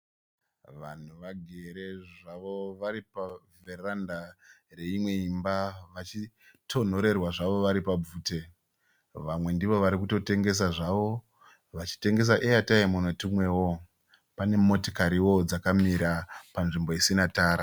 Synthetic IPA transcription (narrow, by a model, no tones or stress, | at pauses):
ʋa̰n̤uʋaɡʱe̞ɾe̞ʐaʋo̞ʋaɾipaverandare̞imwe̞imbaʋat͡ʃi | tʰo̞n̤o̞ɾe̞rwaʐaʋo̞ʋaɾipab͡vuːte̞ | ʋamwe̞ndiʋo̞ʋaɾik̬uto̞te̞ŋɡe̞s̬aʐaʋo̞ | ʋat͡ʃi̥te̞ŋɡe̞s̬aʔeataimunotumwe̞wo̞ | pane̞mo̞to̥kaɾiwod͡zakamiɾapanʐimbo̞isinataːɾa